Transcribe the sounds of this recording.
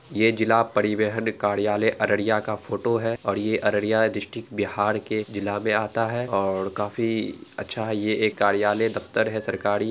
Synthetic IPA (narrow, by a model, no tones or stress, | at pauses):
jed͡ʒɪlapɐɾɪʋeːɦənkaːɾijaːleʔɐɾəɽijakafʰoːʈoɦɛɔːɾjeʔɐɾəɽijad̪ɾɪʃʈɪkbɪɦaːɾked͡ʒɪlamẽaːt̪aɦɛɔːɾkaːfi | ɐ̰tːʃʰaɦɛjeeːkːaːɾijaːled̪ɐft̪əɾɦɛsɐɾkaːɾi